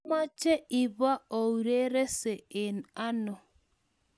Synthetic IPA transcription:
ma˦t͡ʃɛ˦i˨βa˦o˨u˨ɾe˦ɾe˦sɛ˨ɪ˨na˦nɔ˨

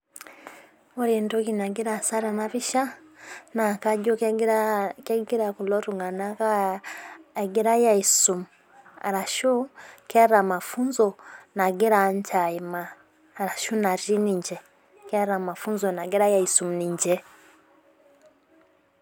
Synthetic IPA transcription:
o˦ɾi˨nto˦ki˨na˨ɡi˦ɾa˨sa˦ɾa˨na˦βi˦ʃa˦na˨ka˦ɟo˦ | ke˦ɡi˦ɾa˨ku˨lɔ˦tu˨ŋɡa˨na˦ka˦ | e˨ɡi˦ɾa˦ja˨i˨su˨mu | a̰˨ɾa˨ʃu˦ka˦ɾa˨ma˨fu˦nzɔ˦na˨ɡi˦ɾaɲt͡ʃa˨i˨maː˨ | ɾa˨ʃu˦na˨ɾi˦ni˨ɲd͡ʒɛ˨ | ka˦ɾa˨ma˨fu˦nzɔ˨na˨ɡi˦ɾa˦ja˨i˨su˨mu˨ni˨ɲd͡ʒɛ˦

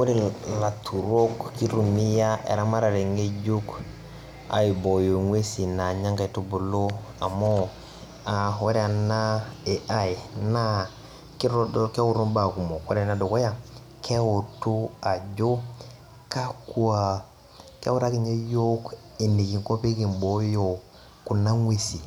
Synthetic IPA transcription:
we˦ɾi˦˨la˨tʰu˨ɾo˦kːi˦ɾu˨ni˦ja˦ḛ˨ɾa˦ma˦ɾa˨ɾe˨ŋe˦ɟo˦k | a̰˨i˨bo˨jo˨ŋwe˦si˨na˨ɲa˦ŋka˨i˨tu˦bu˨lo˦a̰˨mo˦ | a˨we˦ɾe˦a˨na˦e˨ʔa˦jna˦ | ki˦ɾo˦ke˦wu˦ɾu˦mba˨ku˨mo˨we˦ɾe˨na˦do˨ko˦ja˦ | kʰe˦wu˨tu˦a˨ɟo˦ | ka˦ku˦a˨ | kḛ˦wu˦ɾa˦ki˦ɲe˦jo˦k | e˨ni˨ki˨ŋko˦pe˦ki˨mbo˦jo˨ | ku˨na˦ŋwʷe˦si˨

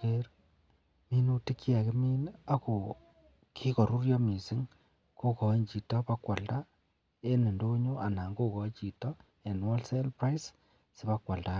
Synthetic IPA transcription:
ke˦ɾ | mi˦nu˦ti˦ki˦a˨ke˦mi˦na˦ko˨ | kʰi˦kɔ˨ɾu˦ɾjɔ˦mi˨sɪ˦ŋ | ko˦kɔ˨˦ɲt͡ʃi˨tɔ˦pa˦kwa˨lda˦ | e˦nɪ˨ndo˦ɲu˦ʔa˨na˨ŋɡo˦kɔ˨t͡ʃi˨tɔ˦ | ɛ˨nwɔ˦lse˦lpɾa˦js | sɪ˦ba˦kwa˨lda˦

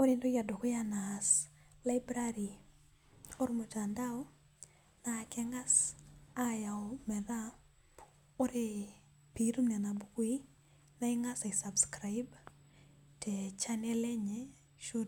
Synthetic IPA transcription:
oɾɪndo˦ja˨do˨ko˦janasla˦jbɾaɾi˨ | o˦ɾmo˨ta˨ndaɔ˦ | na˨kɛ˦ŋa˦saja˨ɔmɛ˨ða˦ | o˦ɾɪ | piɾu˦mna˨na˨bu˦kwi˦ | na˦ɪŋa˦sa˨isabskɾajb | tɛt͡ʃanɛ˦lɛ˦ɲɛ | ʃo˦

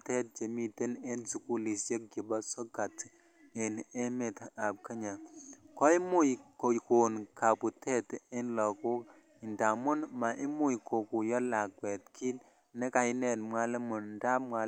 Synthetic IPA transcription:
tɛ˦t̚t͡ʃe˨mi˦te˦ne˦nsu˨ku˦li˨se˦k̚ɡi˨ba˦sɔ˦ka˨t | ɪ˨ne˦me˨ta˨p̚ke˦ɲa˨kɔ˦ɪ˦mu˦jko˨ko˨nka˨pu˨tɛ˦tɪ˦nlɔ˨ku˦ | ɪ˨nda˨mʊ˦nma˨ʔɪ˦mu˦jkʰo˨ku˨jɔ˦la˨kwɛ˨tkʰi˦n | nɛ˦ka˨ɪ˦nɛ˨tmwa˦le˦mʊ˨nda˦ma˨

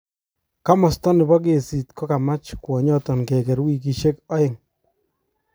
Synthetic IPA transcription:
ka˦mɔ˨stɔ˦nɪ˨bɔ˦k̬e˨si˨tkɔ˦ka˨ma˦t͡ʃkwɔ˨ɲɔ˦tɔ˨nkɛ˨kɛ˨ɾwi˦ki˨ʃe˦kɔ˦ɪ˨ŋ

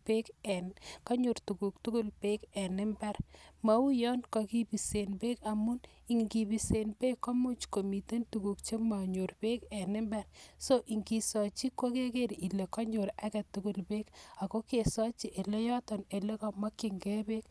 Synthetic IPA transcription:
pe˦kɛ˨nka˦ɲu˨ɾtu˨ku˨k̚tu˦ku˦lpe˦kɛ˨nɪ˦mbɛ˦ɾma˨u˦jɔ˦nkɔ˨ki˦bi˨se˨npe˦ka˨mu˦n | i˨ŋɡi˨bi˨se˨npe˦kːɔ˦mu˦t͡ʃko˨mi˨te˦ntu˨ku˨kt͡ʃe˦ma˨ɲu˨ɾpe˦ke˨nɪ˦mbɛ˦ɾso˦ʔi˨ŋki˨sɔt͡ʃi˦ko˦ke˦ke˦ɾi˨le˨kɔ˦ɲo˨ɾa˦kɛ˨tːu˦ku˦lpe˦ka˨ko˦ke˨sɔ˦t͡ʃi˦ʔe˨le˦jɔ˦tɔ˨ne˨le˦kɔ˦ma˦kːi˨ŋɡe˦be˦k

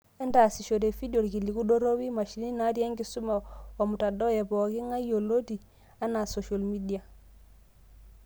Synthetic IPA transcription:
ɛ˦nda˨si˨ʃo˨de˨fi˦di˦o˨ɾki˨li˨ku˦ɗo˦ɾo˦wi˦ma˨ʃi˨˦ni˦na˦tja˦ŋɡi˦su˦ma˨wa˨mu˨ta˨dɔ˦jɛ˨bɔ˨ki˦ŋa˦jo˨lo˦ti˨ | a˦na˨so˨ʃo˨lmi˦di˨a˨

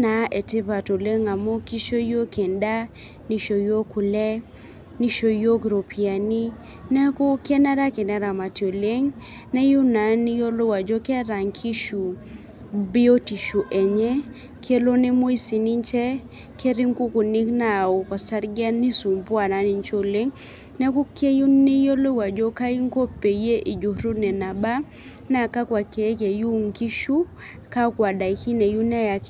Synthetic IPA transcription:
na˨ʔe˨tɪ˦ba˨to˨le˦ŋa˨mo˦ki˦ʃo˦jo˦kʰe˨nda˦ | ni˨ʃo˨jo˦ku˨lɛ˦ | ni˦ʃo˨jo˦ɡɾo˨pi˨a˨ni˦ | nɛ˦ko˦kɛ˦nɛ˦ɾa˦kɛ˨nɛ˦ɾa˨ma˨ti˨o˨le˦ŋ | nɛ˦ju˦na˨nːi˦jo˦lʊ˦wa˨d͡ʒo˦kɛ˦ɾa˨ŋkʰi˦ʃu˨ | bɪ˦o˦ti˨ʃu˨ʔe˨ɲɛ˦ | kʰe˦lo˦ne˦mo˦i˦si˨ni˦ɲt͡ʃɛ˦ | ke˦ɾi˦ŋku˦ku˨ni˦kna˨o˨ka˨sa˦ɾɡɛ˦ni˦su˨mpwa˨na˨ni˨ɲt͡ʃo˦le˦ŋ | nɛ˦ku˦ke˦ju˦ne˦jo˦lo˦wa˨d͡ʒo˦ka˦i˦ŋ˦ko˦pe˨je˦ʔi˨d͡ʒo˨ɾu˦nɛ˨na˨ba˦ | na˨ka˦kwa˨ke˨˦ke˨ju˦ŋki˦ʃu˦ | ka˦kwa˨da˨i˨˦ki˦ne˨ju˦nɛ˦ja˨k

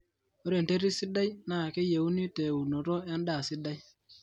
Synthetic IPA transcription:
o˦ɾe˨nte˦ɾi˦si˦da˦jna˦˨ke˦je˨u˦ni˦te˨wu˨no˨ɾo˦ja˦nda˦˨si˦da˦j

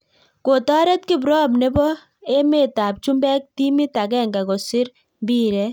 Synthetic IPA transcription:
ko˨tɔ˦ɾɛ˦t̚ki˦b̬ɾɔ˦b̬ne˦bɔ˦ | e˦me˦˨ta˨p̚t͡ʃu˦mbɛ˦k̚ti˦mi˦ta˨kɛ˦ŋɡa˨kɔ˨sɪ˦ɾ | mbiː˦ɾɛ˨

